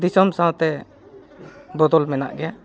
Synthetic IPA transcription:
d̪isɔmsãw̃t̪ɛ | bɔd̪ɔlmɛna̰ʔɡɛja

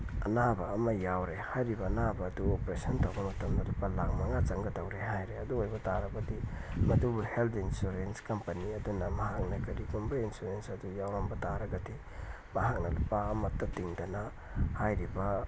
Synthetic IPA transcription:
ɐ̰nabɐːmɐjawɾehajɾibɐːnabɐːduopɾesɐntawbɐmɐtʰɐmdɐlupalaŋmɐŋat͡ʃɐŋɡɐdawɾeɦajɾeɐduojbɐtaɾɐbɐdimɐdubuhelt̪ʰinsuɾenskɐmpɐniɐdunɐmɐɦak̚nɐkɐɾiɡumbɐinsuɾensɐdujawɾɐmbɐtaɾɐɡɐdi | mɐɦak̚nɐlupaːmɐtːɐtiŋdɐnɐ | hajɾibɐ

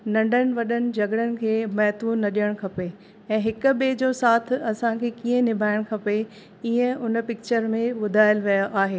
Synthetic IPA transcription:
nɐ̃ɳɖənɪ̆ʋɐɗənɪ̆d͡ʑɐɡɽənɪ̆kʰeːmɐɦt̪unɐɗijəɽ̃kʰɐpe | ɛ̃ːɦɪkʊ̆ɓeːd͡ʑoːsaːt̪ʰɪɐsãkʰeːkiːə̃nɪbʱaːɪɽ̃kʰɐpe | iːə̃ʊnpɪk̚t͡ɕəɾmẽɓʊd̪ʱaːɪəlʋijaʔaːɦeː

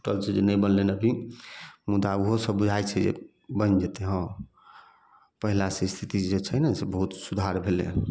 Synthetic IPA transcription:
ʈəlt͡ʃʰed͡ʒenəjbənlenəbʱi | mud̪auɦosəbbud͡ʒʱajt͡ʃʰɛd͡ʒḛ | bənd͡ʒet̪eɦə̃ | pəɦilasest̪ʰit̪id͡ʒet͡ʃʰɛnəsebəɦut̪sud̪ʱaɾbʱelḛ

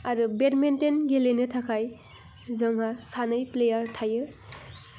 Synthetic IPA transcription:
aɾubetmentenɡelenɯtʰakʰaj | zɯŋɦasanɯjplejaɾtʰajɯ

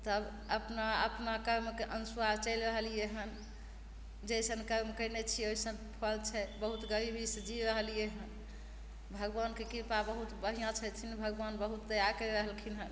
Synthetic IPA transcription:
t̪əb | əpnaə̰pnakəɾmkeʔənsuadt͡ʃəjlɾəɦəlieɦən | d͡ʒesənkəɾmkənet͡ʃʰioisənpʰəlt͡ʃʰɛbəɦut̪ɡəɾibʱisəd͡ʒiɾəɦəlijeɦən | bʱəɡbankekiɾpabəɦut̪bəɦijãt͡ʃʰɛt̪ʰinbʱəɡbanbəɦut̪ːəjakəɾəɦəlkʰinɦən

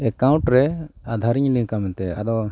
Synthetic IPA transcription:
ɛkaũɳʈɾɛad̪ʱaɾiɲnĩkamɛnt̪ɛa̰d̪ɔ

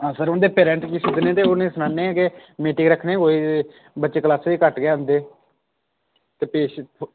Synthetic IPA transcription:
aːsəɾʊnd̪eːpeːɾɛ̃ːɳʈkiːsɪd̪nẽːt̪eːoːnẽːsənaːnːeːkemeːʈɪ̃ːɡɾəkʰnẽːkoːiː | bətːt͡ʃeːkəlaːsʋiːkəʈɡeaːənd̪eː | t̪eːpeːʃ

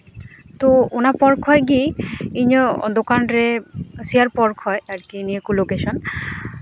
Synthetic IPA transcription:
t̪oonapɔɾkʰɦɔeɡiiɲod̪okanɾesiaɾpɔɾkʰɔeaɾkiniekulokeʃɔn

